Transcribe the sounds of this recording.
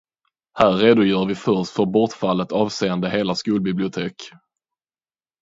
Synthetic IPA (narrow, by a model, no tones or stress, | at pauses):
hæːɾeːd̪ʊjœːɾvɪfœɾʂtfœɾbɔʈfalːət̪ɑːvseːənd̪əɦeːlaskuːlbɪblɪʊt̪ʰeːk